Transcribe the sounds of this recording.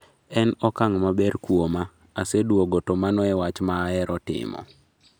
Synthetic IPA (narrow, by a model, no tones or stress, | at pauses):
ɛnɔkaŋmabɛɾkwoma | asedwoɡotomanɔɛwat͡ʃmaːɛɾɔtɪ̰mɔ̰